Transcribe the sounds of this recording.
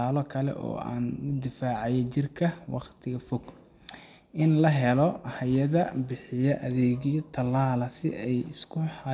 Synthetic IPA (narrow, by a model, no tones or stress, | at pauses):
aːlɔkʰɐlɛ̰ʔɔ̰ːa̰ːnʊd̪ɪfaːʕɑjɛt͡ʃɪrkʰɐwɑ̰qt̪ʰɪɣɐfɔɡ | ʔɪnlɐɦɛlɔhɐjɐðɐbɪħɪjɐʔɐðɛːɣijɔt̪ʰɐlaːlɐsɪ̰ʔɛjɪskʰʊħɑ